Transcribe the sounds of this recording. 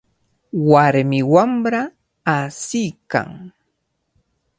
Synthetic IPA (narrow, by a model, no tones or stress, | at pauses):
waɾmɪwamɾaː | sɪjka̰ŋ